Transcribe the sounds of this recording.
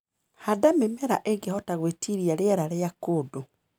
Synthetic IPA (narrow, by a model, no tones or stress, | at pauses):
hadamemɛɾaʔeɣɡehɔtaɣwetʰiɾiaɾeɛɾaɾeakoːdo